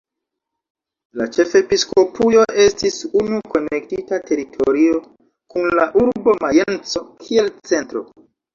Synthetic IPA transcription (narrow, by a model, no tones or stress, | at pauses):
lat͡ʃe̞fe̞pisko̞pujo̞ʔe̞stisunuko̞ne̞k̚titate̞ɾitʰo̞ɾio̞ | kunlaʔuɾbo̞maje̞nt͡so̞kʰie̞lt͡se̞ntɾo̞̰